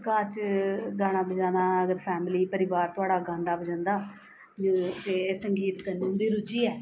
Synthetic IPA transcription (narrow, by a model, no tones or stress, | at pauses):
kaːt͡ʃɡaːɽ̃aːbəd͡ʒãːnaːəɡəɾpʰɛːmliːpəɾɪʋaːɾt̪ʊaːɽaːɡãːnd̪aːbəd͡ʒãːnd̪aː | t̪eːsəŋɡiːt̪kəniːɦʊ̃nd̪iːɾʊt͡ʃiːɛː